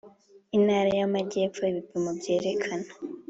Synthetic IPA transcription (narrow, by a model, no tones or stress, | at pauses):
inaːɾajamaɟe̞ːpfoiβipimobje̞ːɾe̞kʰano